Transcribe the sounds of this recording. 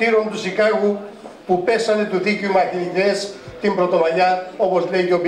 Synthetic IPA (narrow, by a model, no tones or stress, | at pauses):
iɾont̪usikaɣupupe̞sɐnet̪uθicumɐθiiðest̪imbɾot̪o̞maʎaopozleʝop